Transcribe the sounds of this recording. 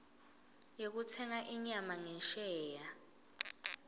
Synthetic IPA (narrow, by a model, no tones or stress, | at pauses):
jek̬utʰɛŋaʔiɲamaŋɛnʃɛːja